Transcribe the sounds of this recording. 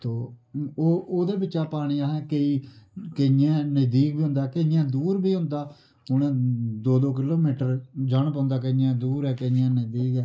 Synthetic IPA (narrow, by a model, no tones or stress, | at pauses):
t̪oːoːʔoːd̪eːbɪtːt͡ʃːaːpaːɽ̃iːaːɦɛːkeiːkəãːnəzd̪iːk̚biːʊ̃nd̪aːkəjãːd̪uːɾbiːɦʊ̃nd̪aː | ʊnẽːd̪oːd̪oːk̬ɪloːmiːʈəɾd͡ʒaːɳp̬ãːnd̪aːkəɪjãːd̪uːɾɛːkəɪãːnəd̪iːkɛː